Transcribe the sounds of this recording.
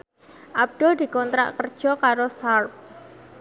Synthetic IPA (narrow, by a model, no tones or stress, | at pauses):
ʔab̚d̥ʊld̪i̤kɔnt̪ɾa̰ʔkərd̥ʒ̥ɔ̤kaɾosarp̚